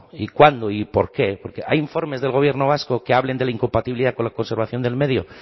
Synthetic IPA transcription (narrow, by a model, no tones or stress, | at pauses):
ikwand̪oipo̞̰ɾkepoɾkeʔa̰jiɱfo̞ɾme̞zðelɣ̞o̞β̞je̞ɾnoβaskokeaβle̞nd̪elaiŋko̞mpat̪iβiliðako̞nlako̞nseɾβ̞aθjo̞nd̪e̞lme̞ðjo